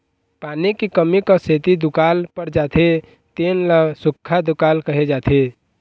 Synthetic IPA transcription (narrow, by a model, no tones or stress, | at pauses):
paːnikikəmikəset̪id̪ukaːlpəɾd͡ʒaːt̪ʰe | t̪enləsʊkʰːad̪ukaːlkəɦed͡ʒaːt̪ʰe